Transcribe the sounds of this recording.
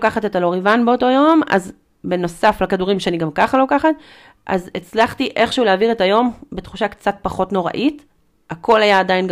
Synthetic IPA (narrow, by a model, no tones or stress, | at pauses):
kaχate̞talo̞ʁivanbeo̞to̞jo̞ma̰z | be̞no̞saflakaduʁimʃeaniɡamkaχalo̞kaχat | ʔa̰zet͡slaχtiʔe̞χʃeuleaːviʁetajo̞mbet̪χuʃakt͡sat̚paχo̞tno̞ʁa̰ʔit | akʰo̞lajaːdain